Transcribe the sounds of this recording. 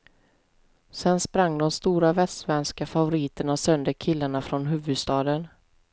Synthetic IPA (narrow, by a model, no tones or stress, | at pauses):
sɛnspɾaŋːd̪ɔmst̪uːɾavɛst̪vɛnskafavʊɾɪːt̪əɳasœnd̪əkʰɪlːaɳafɾɔnɦʉ̟ːvɵd̪st̪ɑːd̪ən